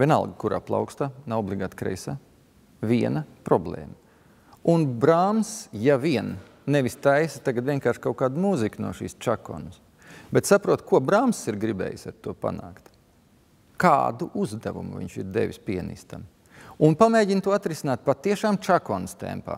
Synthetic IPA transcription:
viɛna̰lˠɡakuɾa̰ːplˠa̰wkst̪aːnaɔblˠiɡaːt̪kɾɛ̰jsaː | viɛnɐpɾɔblˠḛːmɐ | unbɾaːmsjaviɛnː | eʋist̪ajsɐ̥t̪aɡat̪ʋiɛnkaːɾʃkaʊkaːd̪muziknṵɔʃḭːst͡ʃakɔ̰ns | bet̪sapɾuɔt̪kʰuɔbɾaːmsːiɾɡɾibɛ̰ːjsaɾt̪uɔpa̰naːkt̪ | ka̰ːd̪uʔuzd̪avṵmṵvḭɲt͡ʃḭɾd̪ḛʋʲispiɛnḭst̪a̰m | unpameːɟʲint̪uɔat̪ɾisinaːt̪̚pat̪ːiɛʃaːmt͡ʃakɔnst̪ḛmpa̰ː

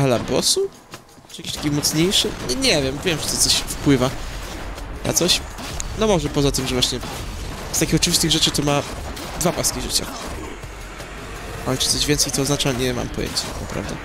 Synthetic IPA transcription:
alabɔ̰su | ʈ͡ʂɨjakʲi̥ɕt̪akʲimɔt̪sɲejʂɘɲɛvʲjɛmvʲjɛmt͡ʂɨ̥t̪ɔt̪sɔɕfpwɘva | nʔa̰t̪sɔɕnɔmɔʐɛpɔzat̪ɘmʐɛvwaɕɲɛ | st̪akʲixɔt͡ʂɨvʲist̪ɘɣʐɛt͡ʂɘt̪ɔma | d̪vapwast̪kʲiʐɘ̰t͡ɕa̰ | alɛt͡ʂɨt̪sɔʑvʲjɛnsɛjt̪ɔːzat͡ʂaɲɛma̰mpɔjɛ̰ɲt͡ɕḁt̪a̰kna̰pɾa̰vd̪a̰

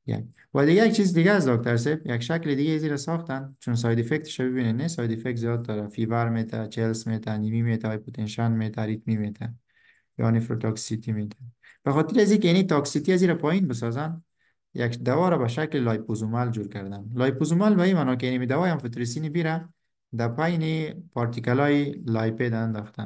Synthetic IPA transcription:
ja̰k | wad̪ɪɡajak̚t͡ʃʰizd̪ɪɡas̬d̪ɔk̚t̪aɾs̬ɛbjakʃaklɪd̪ɪɡeaziɾasɔxt̪ant͡ʃuns̬ɔjd̪ifek̚t̪ʰɪ̥ʃabɪbinenesɔjd̪ifek̚t̪zijɔd̪̚d̪ɒɾafivaɾmet̪ʰat͡ʃʰelsmet̪ʰanimimet̪ʰapot̪ʰenʃanmet̪ʰaɾit̪mimet̪ʰa | jɔ̰nifɾo̰t̪ʰɔksit̪imet̪ʰḁ | b̥axɔt̪ɪɾiazikɪnit̪ɔksit̪iaziɾapɔjinbɪs̬ɔzan | jakd̪awɔɾabaʃaklɪlɔjpuzumald͡ʒuɾkaɾd̪anlɔjpuzumalbaimanɔk̬enimid̪awɔjamfit̪ɾisinibiɾa | d̪apajnipɔɾt̪ikalɔilajped̪aand̪ɔxt̪a̰n

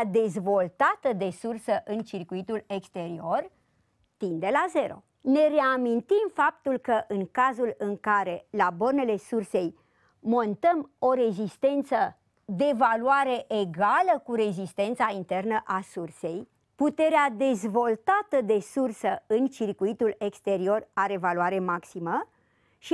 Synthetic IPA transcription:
d̪e̞zvo̞lt̪at̪əd̪e̞sursəʔɨnt͡ʃirkuit̪ule̞kst̪e̞ɾio̞r | t̪ind̪e̞laze̞ɾo̞̰ | ne̞ɾe̞amint̪imfap̚t̪ulkəʔɨŋkazulɨŋkaɾe̞labo̞rne̞le̞surse̞j | mo̞nt̪əmo̞ɾe̞zist̪e̞nt̪sə | d̪e̞valuaɾe̞ʔeɡaləkuɾe̞zist̪e̞nt̪saint̪e̞rnəʔasurse̞j | put̪e̞ɾead̪e̞zvo̞lt̪at̪əd̪e̞sursəɨnt͡ʃirkuit̪ule̞kst̪e̞ɾio̞raɾevaluaɾe̞maksimə | ʃi

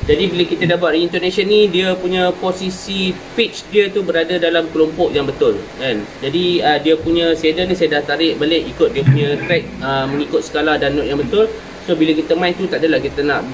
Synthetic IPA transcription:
d͡ʒadibiləkit̪adabat̪riint̪ɔnasənːidiəpuɲə̃posisi | pit͡ʃdiət̪ubəɾadadalamkəlɔmpɔʔjaŋbət̪ʊlkand͡ʒadiədiəpuɲãsedənisajadat̪aɾɪʔ̚baleʔikʊt̪̚diəpuɲãt̪ɾɛk̚əmə̃ŋikʊt̪̚sə̥kalahdanːɔʔ̚jaŋbət̪ʊl | sobiləkit̪əmãint̪ut̪aʔadəlahkit̪ənaʔ

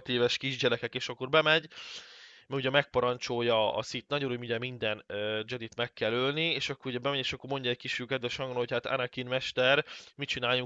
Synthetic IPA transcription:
t̪eːvɛʃkiʒɟɛɾɛkɛkeːʃɒkːo̞ɾbɛmɛɟ | mɛuɟɛmɛk̚pɒɾɒnt͡ʃo̞jːɒɒ̰sit̪nɒɟoɾumuɟɛmind̪ɛnød͡ʒɛd̪it̪mɛkːɛlølnieːʃɒkːoɾuɟɛbɛmɛɟeːʃɒkːo̞rmo̞ɲɟɒɛc̚kiʃykɛd̪vɛʃɒŋɡonhochaːt̪a̰nɛkinmɛʃt̪ɛrmit͡ʃinaːjuŋ

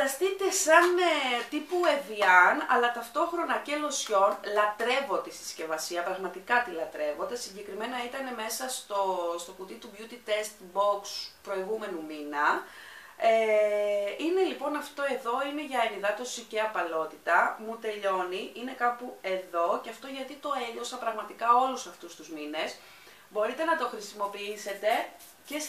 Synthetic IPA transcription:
d̪ɐst̪it̪e̞sɐnet̪ipue̞viɐnɐ̰lɐt̪ɐft̪o̞xɾo̞nɐce̞lo̞sço̞nlɐt̪ɾe̞vo̞t̪est̪i̥sce̞vɐsiɐpɾɐɣmɐt̪ikɐt̪ilɐt̪ɾe̞vo̞td̪esiɲɟe̞kɾime̞nɐit̪ɐne̞me̞sɐst̪ost̪o̞kut̪it̪ubʝut̪it̪e̞st̪bokspɾo̞iɣume̞numinɐ | e | ine̞lipo̞nɐft̪o̞e̞ðo̞ine̞ʝɐeniðɐt̪o̞siceɐpɐlo̞t̪it̪ɐmut̪e̞ʎo̞niʔine̞kɐpue̞ðo̞ceɐft̪o̞ʝɐt̪it̪o̞eʎo̞sɐpɾɐɣmɐt̪ikɐo̞lusɐft̪ust̪uzmine̞s | bo̞ɾit̪e̞nɐt̪o̞xɾisimo̞piise̞t̪e̞ | ce̞

